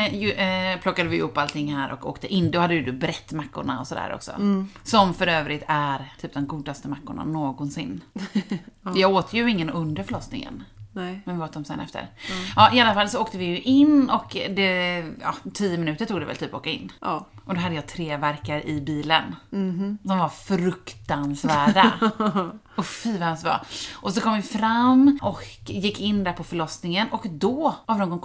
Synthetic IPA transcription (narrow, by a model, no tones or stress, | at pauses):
jpʰlɔkːad̪əvɪj̰ʊpːalt̪ʰɪŋːhæːɾʔɔ̰ko̰ːkt̪əʔɪnːd̪ɔhad̪ːəjɵd̪ʉbɾɛt̪ːmakːʊ̰ɳa̰ɔsɔd̪æ̰ːɾʔɔ̰ksɔ̰sɔmfœɾøːvɾɪt̪ʰæɾt̪ʰyːp̚d̪ɛmɡuːd̪ast̪əmakːʊɳa̰noːɡɔnsɪnː | jɑːɡoːt̪ʰəjɵɪŋːənɵnd̪əɾfœɭɔsnɪ̰ŋə̰nmɛnvɪoːt̪ɔmsɛ̰nɛ̰ft̪ə̰ɾɑːʔɪalːafalːsɔoːk̚t̪əvɪjɵʔɪnːɔkd̪ɛɑ̰t̪ʰijːəmɪnʉ̟ːt̪əʈʰuːɡd̪ɛvɛ̰lt̪ʰyːpɔo̰ːkaɪ̰nːɔd̪ɔɦad̪əjɑːt̪ʰɾeːvæɾkaɾɪbiːlən | sɔmvaɾfɾɵkt̪ansvæːɖa | ʊfiːvahɛmsvɑ̰ːʔɔsɔkʰɔmvɪfɾamːɔkjɪkːɪnːd̪æɾpʰɔfœɭɔsnɪŋənɔkd̪ɔhavnoːɡɔn